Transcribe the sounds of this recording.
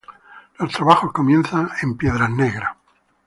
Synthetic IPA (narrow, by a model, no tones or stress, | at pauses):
lost̪ɾaβaxosko̞mjẽ̞nθaempje̞ðɾaneɣɾa